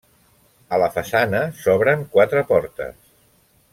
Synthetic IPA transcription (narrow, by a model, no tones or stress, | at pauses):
ələfəsanəsɔβɾəŋkwat̪ɾəpɔɾt̪ə̰s